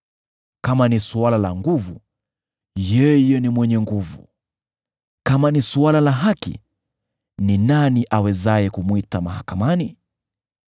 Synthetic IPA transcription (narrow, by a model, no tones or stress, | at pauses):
kamanisualalaŋɡuvu | jɛjɛnimwɛɲɛŋɡuvṵ | kamanisualalaɦakḭ | ninaniʔawɛzajɛkumwitamahakamani